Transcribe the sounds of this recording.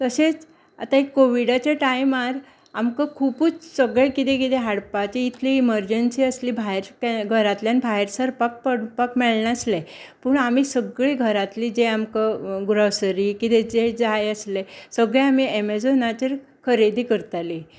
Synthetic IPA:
t̪əset͡s | a̰t̪aekːoʋiɽat͡ɕeʈaimaɾ | amkəkʰupuːt͡ssəɡɭekit̪ẽkit̪eɦaɽpat͡ɕeit̪ʰliiməɾd͡ʑənsiəsliːbʱaɦeɾkaɡʱəɾat̪ljanbʱaɦeɾsəɾpak̚pəɽpakmɛɭɳaslepəɳamisəɡɭeɡʱəɾat̪liːd͡zeamkəɡɾosɾiːkit̪ɛd͡zed͡zajəslesəɡɭeamiemed͡zonat͡ɕeɾ | kʰəɾed̪ʱiːkəɾt̪ali

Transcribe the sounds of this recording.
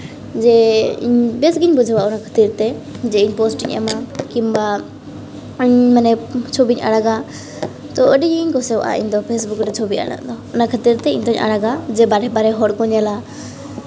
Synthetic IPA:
d͡ʒɛḭɲbɛsɡiɲbud͡ʒʱwaʊnakʰə̥t̪iɾt̪ɛd͡ʒɛiɲpɔsʈiɲɛ̰makimba | ɲmanɛt͡ʃʰobiɲʔa̰ɽaɡa | t̪ɔəɗɛɲiiɲkɔsɛw̰ʔa̰ʔḭɲd̪ɔpʰes̬bukʈɛt͡ʃʰɔbia̰ɽa̰ʔd̪ɔːnakʰət̪iɾt̪ɛḭɲd̪ɔɲʔa̰ɽaɡad͡ʒɛbaɖɛbaɾɛɦɔʈkɔɲɛla

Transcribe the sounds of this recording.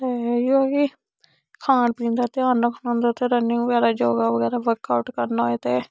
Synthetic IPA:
t̪eːioːiː | kʰãːɳpĩːnd̪aːt̪ɪaːnːəkʰnãːnd̪aːt̪eːɾənːɪŋɡʋəɡɛːɾaːd͡ʒoːɡaːʋəɡɛːɾaːʋəɾkaːʊʈkəɾnaːeːt̪eː

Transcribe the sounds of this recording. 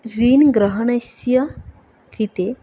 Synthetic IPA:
ɾiːnɡɾaɦɐɳɐsjɐ | kʰɾit̪e

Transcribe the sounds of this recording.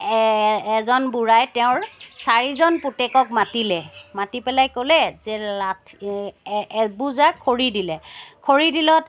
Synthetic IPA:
ɛzɔnbuɹajtɛʊ̃ɹsaɹizɔnputɛkɔkmatilɛmatipɛlajkɔlɛzɛatʰ | buzakʰːoɹidilɛkʰoɹidilɔt

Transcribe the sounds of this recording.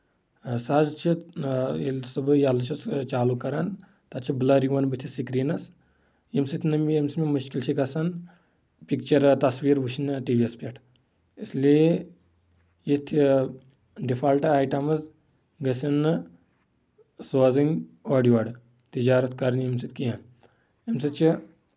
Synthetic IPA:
sɐzt͡ʃʰi | ilsɐbɨjalɐt͡ʃʰust͡ʃaːlukːɐɾɐn | t̪ɐt̪t͡ʃʰibɨlɐɾiʋɐnbɨt̪ʲʰisikɾiːnɐs | jimsit̪ʰʲnɐmijemsmʲimuʃkilt͡ʃʰikɐsɐn | pikt͡ʃɐɾt̪ɐsʋiːɾʋuʃʰinʈiːʋiespʲɐʈʰ | islie | jit̪ʰ | ɖifʰaːlʈɐaːjʈɐmɨz | ɡɐsɐnɨ | soːzinoːɖiaɖ | t̪id͡ʒaːɾɐt̪ʰkɐɾɐnjimsit̪ʰʲkijan | emsit͡ʃʰi

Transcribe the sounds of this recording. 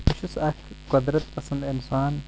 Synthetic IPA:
pʊʃusɐk | kɐd̪ɾɐt̪pɐsɐnd̪insaːn

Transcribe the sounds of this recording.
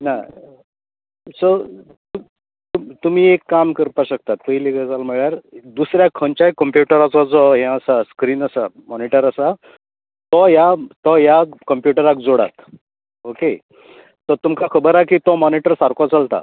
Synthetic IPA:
na | sɔ | t̪u | t̪umt̪um̤iːekːamkəɾpaɕək̚t̪at̪̚pəjliɡəd͡zalməɭjaɾd̪usɾjakʰənt͡ɕakəmpjuʈəɾat͡sɔd͡zɔɦɛ̃əsaskɾiːnəsamɔniʈəɾəsa | t̪ɔjat̪ɔjakəmpjuʈəɾak̚d͡zoɽa̰t̪ | oke | t̪əɾt̪umkakʰəbəɾakit̪ɔmɔniʈəɾsaɾkɔt͡salt̪a̰

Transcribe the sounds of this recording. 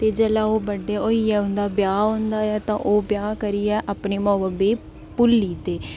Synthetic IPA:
t̪eːd͡ʒəlãːoːbəɖːeːoːiːɛːʊ̃nd̪aːbjaːõːnd̪aːɛːt̪ã̰ːʔoːbjaːkəɾiːɛːʔapɳeːmɔːbəbeː | pʊlːiːt̪eː

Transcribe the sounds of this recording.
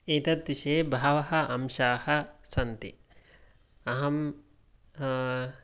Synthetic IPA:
eːt̪ɐt̪ʋiʃeːbʱaːʋɐɦɐʔɐmʃaːhɐ̆sɐnt̪ḭ | ɐɦɐm

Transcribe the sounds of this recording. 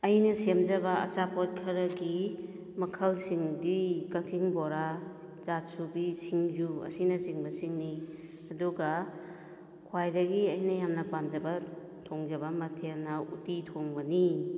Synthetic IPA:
ɐjnɐsemd͡ʒɐbaɐ̰t͡ʃapʰɔt̚kʰɐɾɐɡi | mɐkʰɐlsiŋdikaksiŋboɾa | zasubisiŋzuɐ̰sinɐziŋbɐsiŋni | ɐduɡa | kʰwajdɐɡiɐjnɐjamnɐpamd͡ʒɐba | tʰoŋd͡ʒɐbamɐtʰenaṵtitʰoŋbɐni

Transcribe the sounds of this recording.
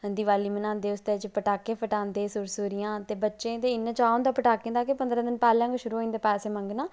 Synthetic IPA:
ɦənd̪iːʋaːliːmənãːnd̪eːʊst̪eːt͡ʃpəʈaːkẽːpʰəʈãːnd̪eːsʊɾsuːɾijãːt̪eːbətːʃẽːt̪eːɪnːãːt͡ʃaːõːnd̪aːpəʈaːkẽːnd̪aːkepənd̪ɾãːd̪ɪnpɛːlãːŋɡʃʊɾuːɦoːĩnd̪eːpɛːseːmə̃ŋɡnaː

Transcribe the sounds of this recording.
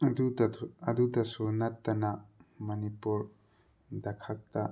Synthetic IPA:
dudɐɐd̪udɐsunɐt̪ːɐnamɐnipuɾ | d̪ɐkʰɐk̚t̪ɐ

